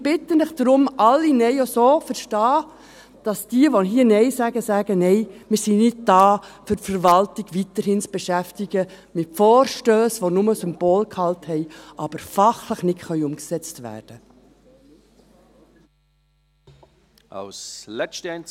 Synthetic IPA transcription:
b̥ɪtːənəχd̥ɾʊmʔɑlːinɛɪosoːfəɾʃtɑː | d̥ɑsd̥iəʋɔɦiːnɛɪsæɡəsæːɡ̥ənɛɪmɪɾsinɪd̚d̥ɑːfʏtfəɾʋɑltiɡ̥ʋitəɾhɪnt͡sb̥eʃæftiɡ̥ə | mɪtfɔːɾʃtøːsʋonʊməsʏmb̥oːlkhɑlthɛɪʔɑb̥əɾfɑχləχnɪtχœʏʊmksɛt͡stʋæ̰ːɾd̥ə | ʔa̰ʊslɛt͡ʃtɛn

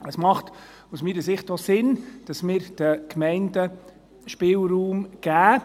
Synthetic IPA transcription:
əsmɑχt | usmiːɾəsɪχtosɪnd̥ɑsmɪːɾd̥əkʰmɛɪndə | ʃpɪːlruːmɡ̥æː

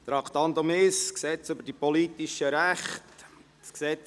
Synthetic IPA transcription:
t̪ɾɑkʰt̪ɑnt̪omɪsksɛt͡sʏbəɾdipɔlitiʃəɾæχt | sksɛt͡s

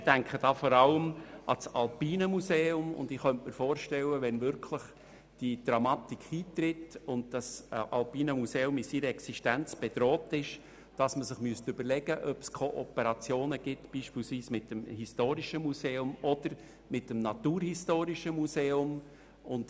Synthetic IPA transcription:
d̥æŋkχəd̥ɑːfɔɾɑləmʔɑ̰sɑlpiːnəmuseːʊmʊ̰ndɪχœntməɾfoːɾʃtɛləʋɛnvʏɾkʰləχ | d̥id̥ɾɑmɑtikχhiːtrɪtʊnd̚d̥ɑsʔɑ̰lpiːnəmuseːʊmɪsiɾəɛksiʃtænt͡sb̥ɛd̥ɾɔːtɪʃ | d̥ɑsməsɪχmyəstʏbəɾlɛɡ̥əʔœpskʰɔʔɔpəɾɑt͡sjoːnəɡ̥ɪtb̥iːʃpiːlsʋiːsmɪtːəmhistoːɾiʃəmuseːʊmɔdəɾ | mɪtːəmnɑtuːɾhistoːɾiʃəmuseːʊm | ʊnd̥

